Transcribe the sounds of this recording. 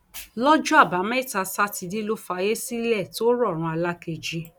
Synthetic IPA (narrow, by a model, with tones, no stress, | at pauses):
lɔ˦d͡ʒũ˦a˦˨ba˨˦mɛ̃˦i˦˨ta˧sa˦ti˧di˦lo˦fa˧je˦si˦lɛ˦˨to˦ɾɔ˦˨ɾ̃ũ˧˦a˧la˦ke˧˨d͡ʒi˧˦